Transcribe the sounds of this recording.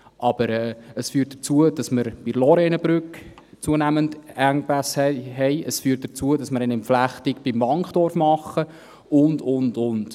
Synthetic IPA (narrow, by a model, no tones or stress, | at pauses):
ʔɑb̥əɾɛːəsfyːt̚d̥ət͡suəd̥ɑsməɾb̥ilɔɾɛnəbɾʏk | t͡suənæməndæŋpæshɛɦɛɪəsfyːɾt̚d̥ət͡suədɑsməɾɛnɪmflæχtɪkb̥ɪmvɑŋχd̥ɔrfmɑχːə | ʊndʊndʊnd̥